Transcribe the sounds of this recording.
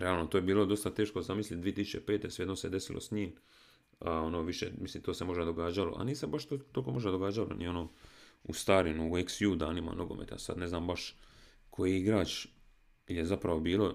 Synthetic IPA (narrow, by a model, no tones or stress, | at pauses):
ɾealˠnot̪oːjebiːlˠo̞d̪o̞st̪at̪e̞ːʃkozamislit̪̚d̪ie̞t̪isut͡ʃepeːt̪e̞sʋejed̪nosed̪esilʔo̰sɲiːm | ao̞noːʋiʃe̞̰misliːmt̪oːse̞mo̞ʒad̪o̞ɡaːd͡ʒalo̰ʔa̰niːsebaʃt̪ot̪olkomo̞ʒd̪ad̪oɡaːd͡ʒalo̰nḭo̞noːṵst̪aːɾinuueksjuːd̪aːnima̰no̞ɡo̞̰mʔḛt̪ja̰sa̰d̪ne̞znaːmbaʃ | kʰo̞jiiɡɾaːt͡ʃ | ilje̞zapɾaʋo̞biːlo̞